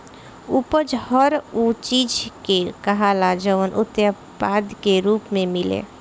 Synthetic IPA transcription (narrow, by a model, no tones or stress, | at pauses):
upəd͡ʒhəɾut͡ʃid͡ʒkekəɦalad͡ʒəʋənʔut̪jə | bad̪keɾuːpmemilḛ